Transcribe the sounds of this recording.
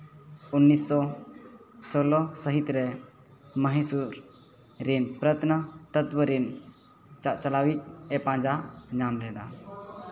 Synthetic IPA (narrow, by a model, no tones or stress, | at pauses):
unːisːɔ | sɔlɔsəɦit̪ɾɛ | məɦisuɾ | ɾinpɾət̪nat̪ət̪bəɾin | t͡ʃaʔt͡ʃəlawit͡ʃ̚ɛpãd͡ʒaɲamlɛd̪a